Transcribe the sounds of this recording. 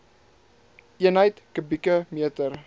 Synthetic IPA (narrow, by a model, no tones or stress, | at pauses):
ʔiənəjtkəbikəmiətər